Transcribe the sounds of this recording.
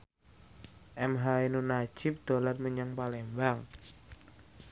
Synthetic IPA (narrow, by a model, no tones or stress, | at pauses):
ʔɛmɦainunḁʒ̥ɪp̚d̪̥o̤lat̪məɲəŋpalembaŋ